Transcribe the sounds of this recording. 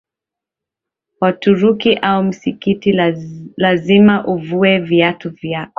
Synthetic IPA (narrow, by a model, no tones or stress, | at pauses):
watuɾukiʔaum̩sikitilazimaʔuvuɛviatuvjakɔ